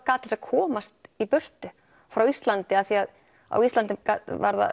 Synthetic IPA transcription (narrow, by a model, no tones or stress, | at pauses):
kaːt̪ɪ̥sakʰɔːmast̪ipʏr̥t̪ʏ | fɾawist̪lant̪ɪaðθiað | a̰wist̪ant̪ɪmkava̰ɾða̰